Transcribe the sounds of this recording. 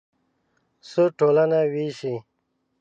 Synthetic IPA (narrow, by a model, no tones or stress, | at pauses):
suʈoːlɐnawiːɕi